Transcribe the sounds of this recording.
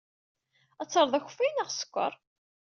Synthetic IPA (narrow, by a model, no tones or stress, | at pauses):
æt͡sːɑɾˤðˤæçʊ̥fːæjnəʁsə̥kʷːə̰ɾˤ